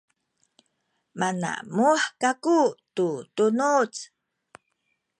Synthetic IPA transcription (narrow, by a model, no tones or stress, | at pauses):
mana̰muħkakututunut͡s